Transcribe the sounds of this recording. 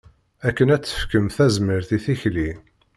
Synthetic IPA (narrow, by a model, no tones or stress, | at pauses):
ækːənæt͡sːə̥fkəmθæzməɾθiθiçli